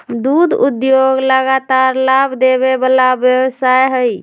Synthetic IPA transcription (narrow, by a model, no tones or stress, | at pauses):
d̪ud̪ud̪joɡləɡat̪aɾlabʱd̪eβebalabjəbsajɦəj